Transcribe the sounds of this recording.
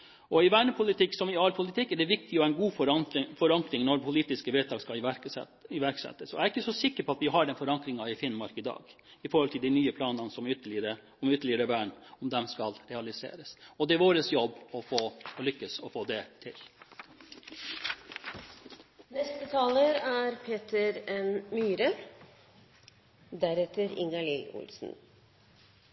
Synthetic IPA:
ɔɪʋæːɳəpʰʊlɪt̪ʰɪkːsɔmɪɑlpʰʊlɪt̪ʰɪkːɛɖɛʋɪkt̪ɪɔæɛɪnɡuːffɔɾɑŋkɾɪŋnɔɾpʰʊliːt̪ɪskəʋɛt̪ʰɑːɡskɑlɪ | ɪʋæɾksɛ̰t̪ːəsɔæɾɪkːəsɔsɪkːəɾpʰɔɑt̪ʋɪɦɑɖɛnfɔɾɑŋkɾɪŋɑɪfɪnmɑɾkɪd̪ɑ̰ːɡ | ɪfɔɾhɔlt̪ʰɪld̪æɪnyːəpʰlɑːnɑnsɔmʏt̪ɾə | ɔmʏt̪əɭɪəɾəʋæːɳɔmd̪ɛmskɑlɾɛɑlɪsḛːɾəsɔd̪ɛæʋoːɾəsjɔbːɔfoːɔlʏkːəsɔfoːd̪ɛt̪ʰɪl | nɛst̪ət̪ʰɑːləɾæːɾpʰeːt̪əɾɛnmyːɾə | d̪æɾɛt̪əɾɪ̰ŋɑliːʊ̰lsn̩

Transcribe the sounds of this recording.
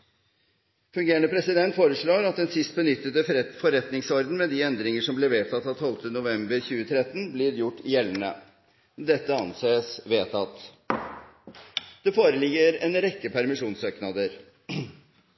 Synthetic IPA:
fʉŋɡeːɾəɳəpʰɾɛsɪd̪ɛnt̪foːɾəʂɭoːɾɑt̪̚d̪ɛnsɪst̪̚bənʏt̪ːət̪əfɔɾɛt̪nɪŋsɔɾd̪n̩mɛd̪ɪɛnd̪ɾɪŋəʂɔmblɛʋeːt̪ʰɑt̪ːɑt̪ʰɔlt̪ənʊʋɛmbəɾçʉːət̪ʰɾɛt̪ːnblɪɾjʊʈːɪjɛlːənə̰ | d̪ɛt̪ːəɑnseːsʋeːt̪ʰɑt̪ː | d̪̥ɛfoːɾəlɪɡːəɾɛnɾɛkːəpʰæɾmɪʂuːnsøːknɑd̪əɾ

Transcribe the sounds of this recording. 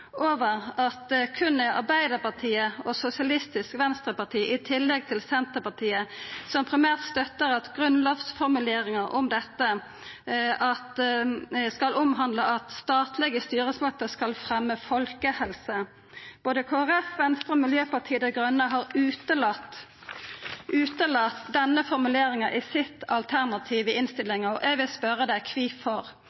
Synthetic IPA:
oːʋəʁɑt̪kʰʉnɛɑ̰bæɪd̪əʁpɑʈʰiːəɔsʊsɪɑlɪst̪ɪskʋɛnst̪ʁəpɑt̪ʰiːʔɪt̪ʰɪlːɛɡ̚t̪ʰɪlsɛnt̪əpɑt̪ʰiːəsɔmpʰʁɪmæːʁt̪st̪œt̪ːəɾɑt̪ɡʁʉnlɑːfsfɔʁmʉleːɾɪŋəɾʔɔmd̪ɛt̪ːə | ʔɑt̪ | skɑlʔʊmɦɑnd̪ləɑt̪st̪ɑːt̪ʰlɛɡəst̪yːʁəsmɑt̪ːəskɑlfɾɛmːəfɔlkəhɛlsə | b̥oːd̪əkʰoːæɾɛfʋɛnst̪ʁəmɪljøːpɑʁʈ̪ʰiːəd̪ɛɡʁœnːəɦɑɾʉːt̪əlɑt̪ː | ʉːt̪əlɑt̪d̪ɛnːəfɔɾmʉleːɾɪŋɑʔɪsɪt̪ːɑlt̪ʰæʁnɑt̪ʰiːʋəɪnst̪ɪlɪŋɔʔɛɡʋɪlspœɾəd̪ɛkʰʋiːfɔʁ

